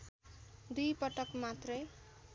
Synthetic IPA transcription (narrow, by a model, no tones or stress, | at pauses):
d̪ujpʌʈʌkmat̪rʌj